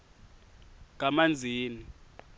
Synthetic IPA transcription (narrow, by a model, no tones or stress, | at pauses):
k̬ʼamand͡zʱiːni